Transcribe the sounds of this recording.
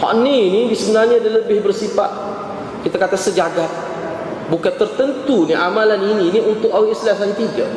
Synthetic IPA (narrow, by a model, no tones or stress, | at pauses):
hɔ̰ʔniːnidisbənaɲaːdaləbɪhbərsifa̰t̪̚ | kit̪akat̪asəd͡ʒaɡat̪̚ | bukant̪ərt̪ənt̪uniʔamalanininiʔunt̪ʊʔawɪslasaɲt̪iɡa